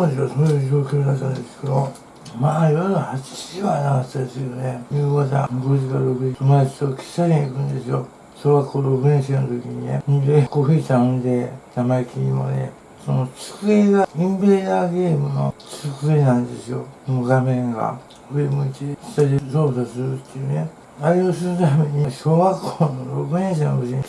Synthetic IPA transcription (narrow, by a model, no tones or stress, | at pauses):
ond̪esβasoːjɯːd͡ʑo̞ːkʲo̞ːd̪at̪ːãnd̪e̞sɨ̥ke̞d̪o̞ | maːiβanohat͡ɕi̥iʑiβanakatt̪ːad̪esɨjonejɯːɡat̪a̰ɡoʑikaɾɾo̞kɯ̟d͡ʑiomasi̥t̪okʲi̥saɾiaikɯ̟̃nd̪e̞sɨjo̰ | soɾeβakoːɾo̞kɯɲẽɕionot̪okʲiɲinḛõd̪ekoɸisãnd̪enamaikʲʰiimo̰ne̞̰ | sonot͡sɨ̥kɯeɡaĩmbeːnaːɡe̞ːmɯ̟no̞̰t͡sɨkɯenãnd̪e̞̰sɨonoɡamẽ̞ŋɡa̰ | ɸɯemoit̪ieki̥saɾisoːsasɨɾɯt̪ːejɯne̞ | aɾios̬ɨɾɯt̪ame̞ɲ̟iɕoːɡakːoːnoɾo̞kɯ̟nẽɕ̬enoɡoɕiɲ